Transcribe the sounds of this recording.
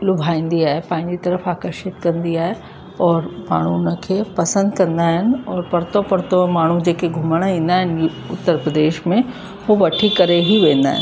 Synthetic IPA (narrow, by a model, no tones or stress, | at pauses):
lʊbʱaːĩːn̆d̪iaːɦepãːɪ̃ɲd͡ʑit̪ɐɾəfaːkəɾʃɪt̪kɐ̃nd̪iaːɦe | ɔːɾma̰ːɳ̤unə̆kʰeːpɐsə̃nd̪kɐ̃nd̪aːɦɪnɪ̆ɔːɾpɐɾt̪opɐɾt̪omaːɳ̤ud͡ʑeːkeɡʱʊməɽ̃ĩːn̆d̪aːɦɪnɪ | ʊt̪ːəɾpɾəd̪eːʃmẽ | ɦoʋɐʈʰikɐɾeɦiʋẽːn̆d̪a̰ːɦɪ̰n